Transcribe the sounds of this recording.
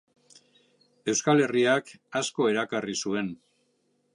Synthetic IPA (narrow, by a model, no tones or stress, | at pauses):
e̞wskale̞riakasko̞e̞ɾakarisue̞n